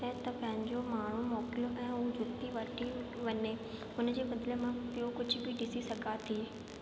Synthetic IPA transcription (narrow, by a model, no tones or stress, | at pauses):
ɐɦt̪ɐpɐ̃ɦɪ̃ɲd͡ʑomaːɳ̤umɔːkɪlʔɛ̃ːud͡ʑʊt̪ːiʋɐʈʰi | ʋɐɲe | ʊnd͡ʑeːbɐd̪lemãpijokʊd͡ʑʱbʱɪɖɪsisɐɡʱat̪ʰiː